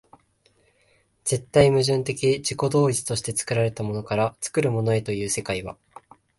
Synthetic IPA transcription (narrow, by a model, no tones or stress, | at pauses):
z̥e̞t̪ːaimɯ̟ʑɨ̃nt̪e̞kʲid͡ʑiko̞d̪o̞ːit͡sɨ̥t̪o̞ɕi̥t̪e̞t͡sɨ̥kɯ̟ɾaɾe̞t̪amo̞no̞kaɾat͡sɨ̥kɯɾɯ̟mo̞no̞e̞t̪o̞jɯ̟ːse̞kaiβa̰